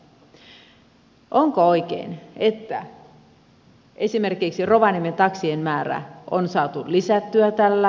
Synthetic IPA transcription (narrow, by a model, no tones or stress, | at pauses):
ʔoŋkoo̞ik̟ḛine̞t̪ːæ̰ | e̞sime̞rkiksiro̞ʋɑnimːent̪ɑksienmæːɾæ̰ʔo̰nsɑːt̪ulisæt̪ːyæt̪ælːæ